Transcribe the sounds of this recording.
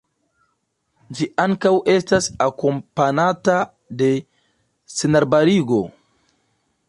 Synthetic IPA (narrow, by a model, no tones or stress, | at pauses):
d͡ʒiʔaŋkawʔe̞stasako̞mpanata | de̞ | senaɾbaɾiɡo̞